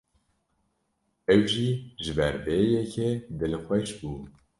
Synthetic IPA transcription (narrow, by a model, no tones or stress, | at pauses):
ɛwʒiːʒɨbɛɾbɛjɛkʰɛd̪ɨlɨxʷɛʃbuː